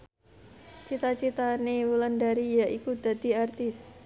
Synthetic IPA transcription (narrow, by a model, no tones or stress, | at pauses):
t͡ʃit̪at͡ʃit̪anewulandaɾijaʔikud̪̥a̤d̪i̤art̪ɪs